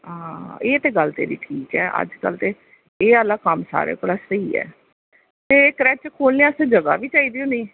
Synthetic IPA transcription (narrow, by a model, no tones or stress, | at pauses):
ɦãːeːt̪eːɡəlt̪ḛːɾḭːʈʰiːkɛːʔə̰d͡ʒkə̰lt̪eː | eːəlːaːkəmsa̰ːɾḛːkoːlaːsəiːɛ̰ː | t̪eːkəɾɛːt͡ʃkʰoːlneːasẽd͡ʒəɡa̰ːʋiːt͡ʃaːiːd̪iːõːnd̪iː